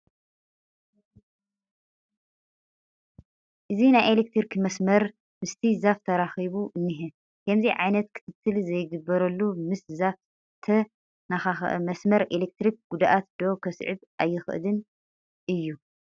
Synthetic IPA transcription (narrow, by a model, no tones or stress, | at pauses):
ʔɨzinajelek̚t̪ʰɾikʰimɐsmɐɾ | mɨst̪ʰizaft̪ʰɐɾaxiβuʔɨnːiɦɨ | kʰɐmziʕajnɐt̪kʰɨ̥t̪ʰɨt̪ʰːɨlzɐjɡɨbːɐɾɐlːumɨszaf | t̪ʰɐ | naxaxʔmɐsmɐɾelek̚t̪ɾik̚ɡud̪aʔat̪d̪o̞kʰɐsʕɨ̰βʔajːɪxɨ̰ʔlɨn | ʔɨjːu